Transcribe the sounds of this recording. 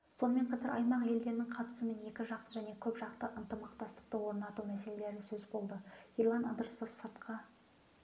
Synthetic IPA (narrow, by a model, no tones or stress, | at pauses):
so̞nəme̞ɴqʰɑt̪ɑɾɑ̰jmɑqje̞ld̪e̞ɾnɪŋqʰɑt̪ə̥səme̞ne̞kʲɪʒɑq̪əʒæne̞kʲʰɵpʒɑqt̪əʔənt̪əmɑqt̪ɑst̪ə̥q̚t̪əwo̞ɾnɑt̪umæse̞le̞le̞ɾɪsɵzbo̞lˠd̪əiɾlˠɑnɑd̪əɾsofsəɾt̪qʰɑ